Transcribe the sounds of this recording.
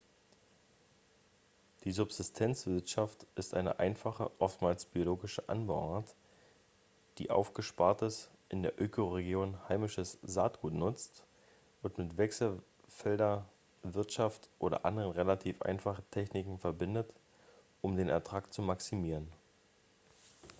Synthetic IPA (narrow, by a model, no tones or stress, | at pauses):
d̥iːzʊpz̥ɪstʰɛnt͡sv̥ɪɐtʃaftʔɪstʔa̰ɪnə̰ʔaɪnfaχə̰ʔɔftmaːlsb̥ioloːɡɪʃəʔa̰nbɔat | d̥ḭːʔa̰ʊfɡ̥əʃpaɐtəs | ʔɪndeːɐʔøːkʰoʁeɡjoːnhaɪmɪʃəsza̰ːt̚ɡ̥uːtnʊt͡st | ʔʊntmɪtv̥ɛksl̩ | fɛldɐ | vɪɐtʃaftʔoːɾɐ̰ʔa̰ndəʁənʁelatʰiːfʔa̰ɪnfaχətʰɛçnɪkŋ̩fɛɐbɪndət | ʔʊmdeːnɛ̰ɐtʁ̥aːkt͡sumaksimiːʁən